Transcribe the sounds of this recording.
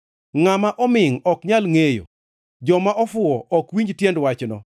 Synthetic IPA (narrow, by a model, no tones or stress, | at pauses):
ŋamaʔɔmɪŋɔkɲalŋejo̰ | d͡ʒɔmaʔɔfʊɔʔɔkwiɲd͡ʒtjɛndwat͡ʃnɔ̰